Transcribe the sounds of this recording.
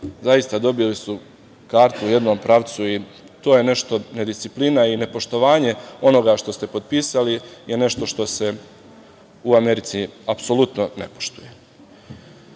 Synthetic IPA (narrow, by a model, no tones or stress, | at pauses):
zajist̪ad̪o̞bilisu | kaːɾt̪uːje̞d̪no̞ːmpɾaʋt̪sui | t̪o̞ːje̞ne̞ʃt̪o̞ne̞d̪ist̪siplinaine̞po̞ʃt̪o̞ʋaːɲe̞o̞no̞ɡaʃt̪o̞st̪e̞po̞d̪̚piːsalije̞ne̞ʃt̪o̞ʃt̪o̞se̞ | uame̞ɾit̪siapso̞lut̪no̞ne̞̰poʃt̪uje̞